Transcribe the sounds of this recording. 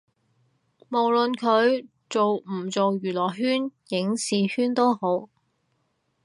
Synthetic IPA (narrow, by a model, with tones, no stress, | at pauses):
mo˨˩wlɵ˨nkʰɵ˨˧ɥ | t͡so˨wm̩˨˩t͡so˨wjyː˨˩lɔː˨˩ɦyː˥njɪ˨˥ŋsiː˨hyː˥nt̪o˥who˨˥w